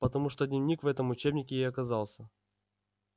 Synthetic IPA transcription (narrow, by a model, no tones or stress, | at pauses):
pət̪ɐmuʂt̪od̪ʲnʲɪvʲnʲikvɛt̪əmʊt͡ɕebnʲɪkʲɪɪjɐkɐzɑlˠsʲə